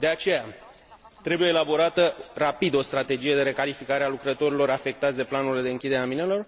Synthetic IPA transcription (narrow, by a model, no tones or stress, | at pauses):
d̪e̞at͡ʃe̞ja | t̪ɾe̞buje̞ːlabo̞ɾat̪ərapid̪o̞st̪ɾat̪e̞d͡ʒije̞d̪e̞ɾe̞kalifikaɾealukɾət̪o̞ɾilo̞ɾafe̞k̚t̪at̪sʲd̪e̞planuɾile̞d̪e̞ɨŋkʲid̪e̞ɾeaminelo̞r